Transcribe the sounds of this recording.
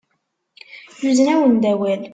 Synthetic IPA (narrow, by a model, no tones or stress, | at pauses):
juznæwənd̪æwæl